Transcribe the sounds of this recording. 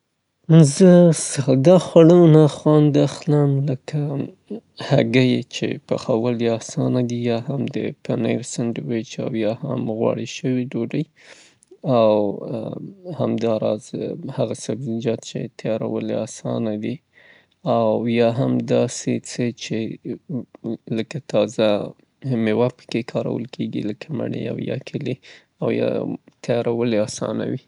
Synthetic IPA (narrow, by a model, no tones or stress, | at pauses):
zəsd̪ɑxwaɽəwnaxwɑnd̪axləmləka | haɡəjet͡ʃḛpaxawəliɑsɑnad̪ijɑhamd̪ə̰panəjɾsəndwejt͡ʃa̰wjɑha̰mɣwɑ̰ɽiʃəwiɖoɖəj | aw | hamd̪ɑɾɑ̰zhaɣasabzid͡ʒɑt̪t͡ʃḛt̪ʰajɑɾawəleɑsɑnad̪i | awjɑɦamd̪ɑset͡sət͡ʃe | ləkat̪ɑza | mewapə̥kekʰɑɾa̰wə̰lkʰeɡḭləkʰama̰ɽḛa̰wjɑ̰kʰəle | awjɑ̰t̪ʰajɑɾawəleɑsɑ̰na̰wi